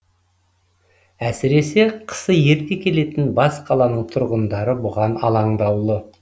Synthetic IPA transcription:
æsɪɾe̞se̞qʰə̥səje̞ɾk̪ʲe̞kʲʰe̞le̞t̪ɪnbɑsqʰɑlˠɑnəɴt̪ʰʊɾʁənd̪ɑɾəbʊʁɑnɑlˠɑɴd̪ɑwlˠə

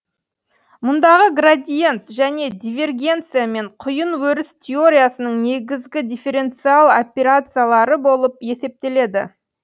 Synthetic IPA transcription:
mʊnd̪ɑʁəɡrad̪ʲijent̪ʒæne̞d̪ʲivʲe̞rɡʲe̞nt̪sɨjame̞ɴqʰʊjənwɵɾɪst̪ʲʰeo̞ɾʲijasənəɴne̞ɡʲɪzɡʲɪd̪ʲife̞ɾe̞nt̪sɨalˠo̰pʲeɾat̪sɨjalˠɑɾəbo̞lˠəpje̞se̞p̚t̪e̞le̞d̪ɪ̰

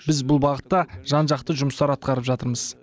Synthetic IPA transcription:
bɪzbʊlˠbɑʁət̪ːɑʒ̥ɑnʒɑq̚t̪əʒʊmst̪ɑɾɑt̪̚qɑɾəpʒɑt̪əɾməz̥

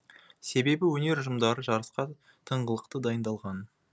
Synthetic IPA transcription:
se̞be̞bɪwɵne̞ɾʒəmd̪ɑɾəʒɑɾəsqɑ | t̪ʰəɴʁəlˠəqt̪əd̪ɑjənd̪ɑlˠʁɑn

